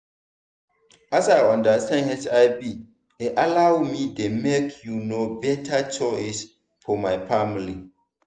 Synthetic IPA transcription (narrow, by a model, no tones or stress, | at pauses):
asaɪɔ̃ndastʰãnhɛsaɪbi | ɪʔalawmĩdemekʰjunobɛtʰat͡ʃɔɪs | fɔmaɪfamli